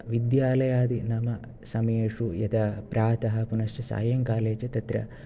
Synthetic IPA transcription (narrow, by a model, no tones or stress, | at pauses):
ʋid̪jaːlɐjaːd̪inɐmɐ | sɐmɐjeːʂujɐd̪ɐpɾaːt̪ɐɦɐ̆punɐsʈɐsa̰ːjɐŋkaːleːt͡ʃɐt̪ɐt̪ɾɐ̰